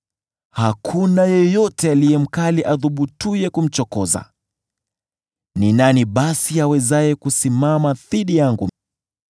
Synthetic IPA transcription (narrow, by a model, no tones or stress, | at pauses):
hakʰunajɔjɔtɛalijɛm̩kaliʔaðuɓutujɛkum̩t͡ʃɔkɔza̰ | ninaniɓasiawɛzajɛkusimamaðiɗijaŋɡu